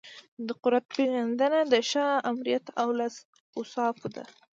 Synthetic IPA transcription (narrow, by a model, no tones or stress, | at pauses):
d̪əqʊɾat̪̚peɣand̪ənad̪əʃɑamɾijat̪awlas | ʊsɑfd̪a̰